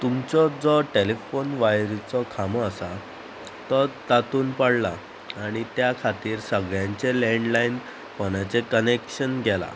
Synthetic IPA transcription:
t̪umt͡sɔd͡zɔʈelefonʋajɾit͡sɔkʰamɔːsa | t̪ɔt̪at̪uːnpaɽlaː | ɽ̃it̪jakʰat̪iːɾsəɡɭjãɲt͡ɕeleɳɖlain | pɔnat͡sekənekɕənɡʱɛla̰

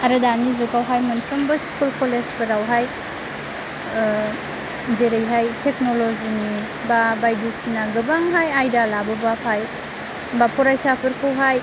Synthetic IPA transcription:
ɐɾɐdanizukawɦajmɐnpʰɾɐmbɐskulkolespɯɾawɦaj | deɾejɦajteknolozini | babajdisinaɡɯbaŋɦajajdalabɐbapʰaj | bapʰɔɾajsapʰɯɾkʰɯwɦaj

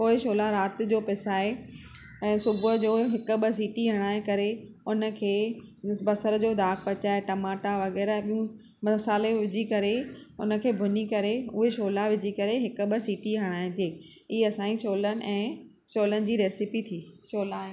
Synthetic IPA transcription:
koːɦɪʃoːlaɾaːt̪̆d͡ʑoːpɪsaːẽː | sʊbʱəd͡ʑoːɦɪkʊ̆ɓəs̬iːʈiɦɐɽ̃aːẽkɐɾe | ʊnə̆kʰeːbɐsəɾəd͡ʑoːd̪ʱaːkʰpɐt͡ɕaːeʈɐmaːʈaʋɐɣɛːɾɛ̃ːɓiũ | mɐsaːleʋɪd͡ʑʱikɐɾeʊ̰nə̆kʰeːbʱʊnikɐɾeʊɦeʃoːlaʋɪd͡ʑʱikɐɾeɦɪkʊ̆ɓəsiːʈiɦɐɽ̃aːɪ̃t̪ʰeː | iːɐsãːĩʃoːlənɪ̆ʔɛ̃ː | ʃoːlənɪ̆d͡ʑiːɾeːsɪpit̪ʰiːʃoːlaː

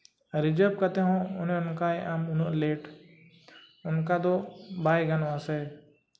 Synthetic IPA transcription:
ɾɪd͡ʒəp̚kɐt̪eɦũʊnẽʊnkaeʔamʊnleːʈ | ʊnkad̪obaːjɡɐnãse

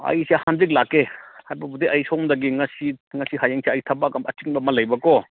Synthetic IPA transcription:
ɐ̰jsehanzik̚lakːehajbɐbud̪iʔɐjsɔmd̪ɐɡiŋɐsiŋɐsihajaŋseajit̪ʰɐbakamɐtiŋbɐmɐlɐjbɐkɔ

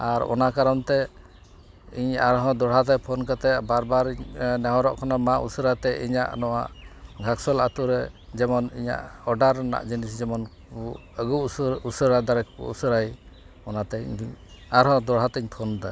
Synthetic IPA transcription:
aɾɔ̰nakaɾɔnt̪ɛ | iɲaɾɦɔ̃d̪ɔɽɦat̪ɛpʰɔnkat̪ɛbaɾbaɾnɛɦɔ̃ɾɔʔkʰɔnamaʔṵsəɾat̪ɛḭɲa̰ʔnɔwa̰ʔɡʱaksɔlat̪uɾɛd͡ʒɛmɔniɲa̰ʔɔɖaɾna̰ʔd͡ʒinis̬d͡ʒɛmɔn | əɡuusəɾad̪aɾɛkpṵṵsəɾaj | ɔnat̪ɛɲ̰i | aɾɦɔ̃d̪ɔɽɦat̪ɛɲt̪ʰɔnd̪a

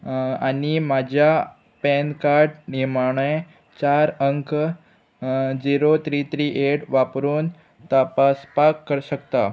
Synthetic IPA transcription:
animad͡ʑʱja | pɛnkaɾɖniɾmaɳ̃j | t͡ɕaɾəŋk | d͡ʑiɾot̪ɾit̪ɾiʔeʈʋapɾuːn | t̪əpaspakːəɾɕəkt̪a

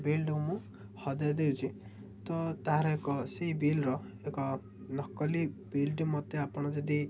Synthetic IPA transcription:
belɖuwmũ | hɔd̪ajd̪ewt͡ʃʰi | t̪ɔt̪aɦãɾɔekɔseɦibilɾɔ | ekɔ | nɔkɔlibilʈimɔt̪eapɔɽ̃ɔd͡ʒɔd̪i

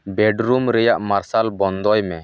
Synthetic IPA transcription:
bɛɖɾumɾɛjaʔmaɾsalbɔnd̪ɔjmɛ

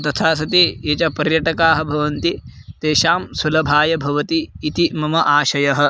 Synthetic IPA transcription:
t̪ɐt̪ʰaːs̬ɐt̪ieːt͡ʃɐpɐɾjɐʈɐkaːɦɐ̆bʱɐʋɐnt̪it̪eːʃaːmsulɐbʱaːjɐbʱɐʋɐt̪iːt̪imɐmɐʔaːʃɐjɐɦɐ̆

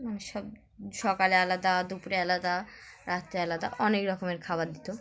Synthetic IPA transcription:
amiʃɔb̚ | ʃɔkalealad̪ad̪upuɾealad̪aɾat̪ealad̪aʔɔnekɾɔkomeɾkʰabaɾd̪it̪o

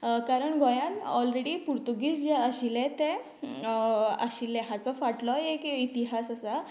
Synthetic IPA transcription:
kaɾəɳɡɔjãnɔlɾeɽipuɾt̪uɡiːsd͡ʑeəɕilẽt̪e | ə̰ɕilẽɦat͡sɔfaʈlɔekit̪iɦasəsa

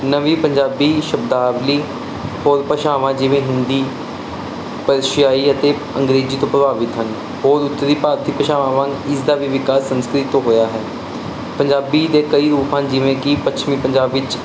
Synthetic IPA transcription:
nəʋiːpəɲd͡ʒaːbiːʃəbd̪aːbliː | hoːɾpəʃaːʋãːd͡ʒɪʋẽːɦɪnd̪iː | pəɾʃjaːiːət̪eː | ə̃ŋɡɾeːziːt̪õːpɾəbaːʋɪt̪ɦən | hoːɾʊt̪ːəɾd̪iːpaːɾt̪ʰiːpəʃaːʋãːʋãːɪsd̪aːʋiːʋɪkaːsːənskɾɪt̪ːõːɦoːjaːɦɛː | pəɲd͡ʒaːbid̪eːkəiːɾuːpãːd͡ʒɪʋẽːkɪpət͡ʃʰmĩːpəɲd͡ʒaːbɪt͡ʃ

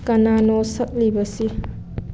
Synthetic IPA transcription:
kɐnanɔsɐk̚libɐsi

